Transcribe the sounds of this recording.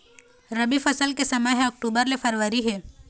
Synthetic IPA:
ɾɐbifɐsəlkesɐməɦɔk̚ʈuːbəɾlefɐɾʋəɾiɦɛː

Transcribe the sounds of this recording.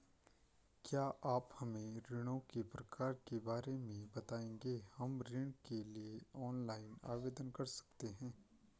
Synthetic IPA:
kjaːʔaːphɐmẽɾɪɽ̃õkepɾɐkaːɾkebaːɾemẽbɐt̪aːẽːŋɡehɐmɾɪɽ̃kelieɔːnlaːɪna̰ːʋeːd̪ənkɐɾsɐ̥kt̪eɦɛ̃ː

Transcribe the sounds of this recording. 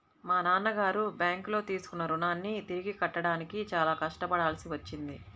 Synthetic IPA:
maːnaːnːɐɡaːɾubjaːŋklo̞ːt̪iːsu̥kunːɐɾunaːnːit̪iɾiɡikɐʈːɐɽaːnikit͡ʃaːlaːkɐʂʈɐpɐɽaːlɐsiʋɐt͡ʃːind̪i

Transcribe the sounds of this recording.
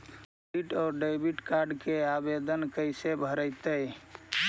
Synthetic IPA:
iʈɔːɾɖəɪbʱiʈkaɾɖkeabed̪ənkəɪsebʱəɾəjt̪əj

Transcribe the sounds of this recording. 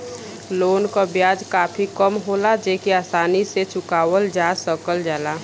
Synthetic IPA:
loːnkabjaːd͡ʒkaːpʰikəmɦoːlad͡ʒeːkiaːsaːniset͡ʃʊkaːwəld͡ʒaːsəkəld͡ʒaːlaː

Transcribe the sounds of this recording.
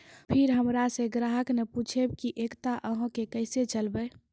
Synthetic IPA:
pʰiɾɦəmɾasẽɡɾaɦəkneput͡ʃʰebkiʔekt̪aʔəɦkekəɪset͡ʃəlbə

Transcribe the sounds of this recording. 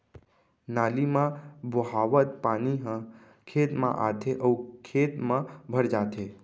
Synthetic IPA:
naːlimãbʱoɦaʋət̪̚paniɦə̃ | kʰet̪mã̰ʔa̰t̪ʰeʔəwkʰet̪mãbʱəɾd͡ʒaːt̪ʰe

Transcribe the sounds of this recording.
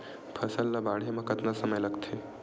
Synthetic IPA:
pʰɐsəlːabaːɽ̤jamãkɐt̪nasəməjlɐɡt̪ʰe

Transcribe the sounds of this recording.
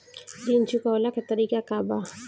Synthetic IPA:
dint͡ʃukaɔlakat̪aɾikakaba

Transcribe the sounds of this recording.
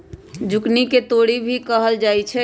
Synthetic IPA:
d͡ʒʊkniket̪oːɽibʱikəɦəld͡ʒaːit͡ʃʰɛ

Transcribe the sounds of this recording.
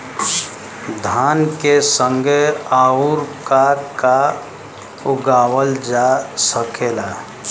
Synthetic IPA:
d̪ʱaːnkesə̃ŋɡeaːuɾkaka | ʊɡaːwəld͡ʒasəkeːla

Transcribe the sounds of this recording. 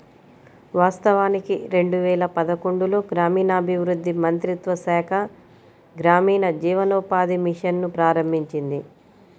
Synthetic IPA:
ʋaːst̪ɐʋaːnikiɾe̞ɳɖuʋɛːlɐpɐd̪ɐko̞ɳɖulo̞ːɡɾaːmiːnɐːbʱiʋɾud̪ʱːimɐnt̪ɾit̪ʋɐsɛːkʰɐ | ɡɾaːmiːnɐd͡ʒiːʋɐloːpaːd̪imiʂɐnːupɾaːɾɐmbʱiɲt͡ʃind̪i

